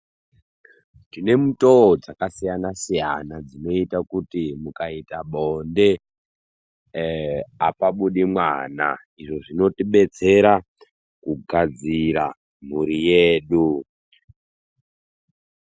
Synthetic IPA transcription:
tine̞muto̞od͡zakasijanasijanad͡zino̞itakutimukaitaɓonde̞ | apaɓuɗimwana̰ | iʐo̞ʐino̞tiɓe̞t͡se̞ɾa | kuɡʱad͡ziɾa̰ | m̤uɾijeːɗu

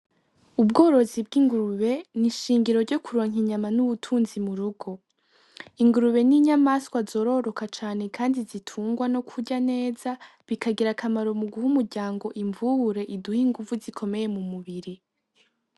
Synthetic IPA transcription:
ub̚ɡo̞ːɾo̞zib̚ɡiŋɡuɾuβe̞niʃiːŋɟiɾo̞ɾɟo̞kʰuɾo̞ːŋ̥iɲamanuβutʰuːnzimuɾuɡo̞ | iŋɡuɾuβe̞niɲamaskwazo̞ːɾo̞ɾo̞kat͡ʃaːne̞kʰaːndizitʰuːŋɡwano̞kʰuɟane̞ːza | βikʰaɡiɾakʰamaɾo̞muɡuhumuɾɟaːŋɡo̞ʔiɱvuhuɾe̞ʔiduhiŋɡuvuzikʰo̞me̞je̞mumuβiɾi

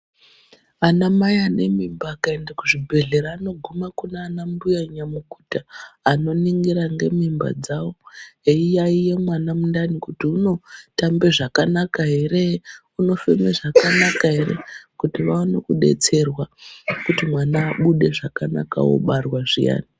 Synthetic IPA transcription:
anamajane̞mimbaːkaendakuʐibʱe̞ɮe̞ɾaːno̞ɡʱumakunaanambujaɲamuku̥taːno̞niŋɡiɾaŋɡe̞mimba̰d͡zawo̞eijaije̞mwanamundanikutiuno̞tambeʐakanakaɦe̞ɾeuno̞femeʐakanakaɦe̞rḛkutiʋawonekuɗe̞̰t͡se̞rwakutimwanaːɓuɗe̞ʐakana̰ka̰wo̰ɓarwaʐḭja̰ːni

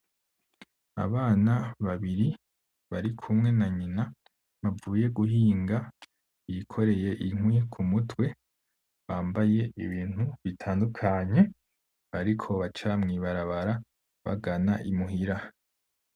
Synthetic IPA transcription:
a̰βaːnaβaβiɾi | βaɾikʰumŋe̞naɲina | βavuːje̞ɡuɦiːŋɡa | ikʰo̞ɾe̞je̞ʔiŋwikʰumutwe̞ | βaːmbaje̞iβiːn̥huβitʰaːndukʰaɲe̞ | aɾikʰo̞βat͡ʃamŋiːβaɾaβaɾa | βa̰ɡanaʔimuɦiɾa

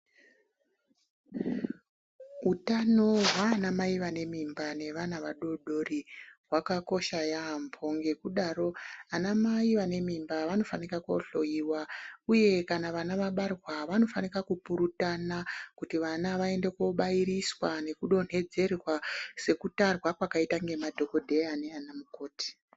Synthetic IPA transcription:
utano̞ɦwaːnamaiʋane̞mimbane̞ʋanaʋaɗo̞ɗo̞riɦwakako̞ʃajampʰo̞ŋɡe̞kuɗaɾo̞anamaiʋane̞mimbaʋano̞fanirakoɬo̞jiwauje̞kanaʋanaʋaɓarwaʋano̞fanirakupuɾutanakutiʋanaʋae̞nde̞koɓaiɾiswane̞kuɗo̞n̤̥e̞d͡ze̞rwase̞kutarwakwakaitaŋɡe̞madʱo̞ko̞dʱe̞ane̞anamukoːti̥

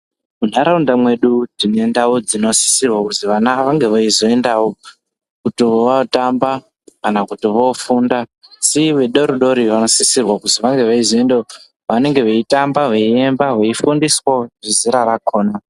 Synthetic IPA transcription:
mun̤aɾaundamwe̞ɗudinoendawod͡zino̞si̥sirwakutiʋanaʋaŋɡe̞ʋaizo̞e̞ndawo | kutiʋoʋatamba | kanakutiʋo̞fundasiʋeɗoɾuɗo̞ɾiʋano̞sisirwakutiʋaŋɡe̞ʋaizoendeo | ʋane̞ŋɡe̞ʋeitambaʋeiembaɦeifundiswoʐiziɾaɾakoːna

